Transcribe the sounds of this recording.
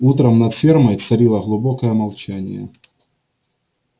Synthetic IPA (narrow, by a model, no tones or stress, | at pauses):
ut̪ɾəmnɐt̪fʲermɐjt̪sɐɾʲilˠəɣlˠʊbokəjəmɐlˠt͡ɕænʲɪjə̰